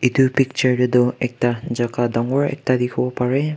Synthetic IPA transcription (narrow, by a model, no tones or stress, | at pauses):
itupik̚t͡ʃəɹdɯdɔɛk̚tad͡ʒakadɔŋɔɹɛ̰k̚tad̪ikʰɔbɔpaɹe